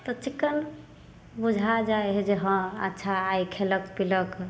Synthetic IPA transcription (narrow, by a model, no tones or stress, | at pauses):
t̪ɔt͡ʃikːən | bud͡ʒʱad͡ʒaeɦed͡ʒeɦə̃ə̰tːʃʰaːjkʰeləkpilək